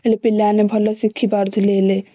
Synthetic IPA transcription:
elepilːanebʱəlɔsikʰːibaɾd̪ʱulele

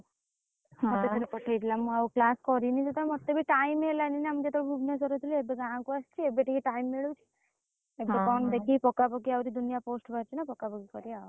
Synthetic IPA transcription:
mɔt̪et̪ʰɔɾepɔʈʰajt̪ʰilamũawklaskɔɾinid͡ʒet̪amɔt̪ebʱiʈajmelaninamid͡ʒet̪ʰɔɽebʱubʱnasɔɾɔt̪ʰileebeɡãɦãkuast͡ʃʰiebeʈikiʈajmːeɭut͡ʃʰi̥ | ebekɔnd̪ekʰipɔkapɔkiawɾid̪unijaposʈbʱaɾt͡ʃʰinapɔkapɔkikɔɾia

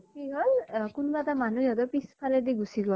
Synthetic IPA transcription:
kiɡɔlkunbatamanujatɔpispʰalɛdiɡusiɡɔl

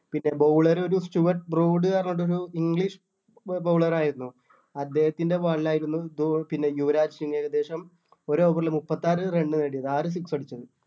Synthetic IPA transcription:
pinːe̞bowɭɐɾo̞ɾusʈjuʋɐrʈbruːɖɨkɐrɐɲːoʈːo̞ɾuiŋɡɭiʂ | bɐwɭɐraːjiɾunːu | ɐd̪ːe̞ːhɐt̪ːinde̞ʋɐɭːaːjiɾunːud̪upinːe̞juʋɐɾaːd͡ʑiuŋeːɣɐd̪e̞ːʂɐm | o̞ɾoːpɐrlɨmupːɐt̪ːaːɾɨre̞ɳɖɨneɽijɐðɨaːrɨs̬iksɐɽit͡ɕːɐðɨ

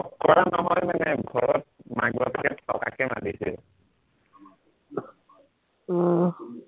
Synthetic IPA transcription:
ɔkɔɹanɔɦɔjmanɛɡʱɔɹɔt̚maɡbapkɛɔ̰ka̰kɛmadisil

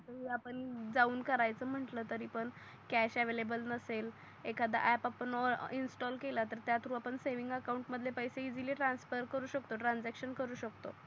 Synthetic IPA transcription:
əɦiːapəɳd͡zauːnkəɾajt͡səːm̤əɳʈləːt̪əɾiːpəɳ | kæɕɛʋelebəlnəsel | ekʰad̪a̰ʔɛpapəɳɔ̰insʈɔlkelat̪əɾt̪jat̪ʰɾuːapəɳseʋiŋɡəkaũɳʈməd̪ʱljepəjseid͡ziliːʈɾãnsfəɾkəɾuːɕəkt̪oʈɾãnd͡zækɕənkəɾuːɕək̚t̪o

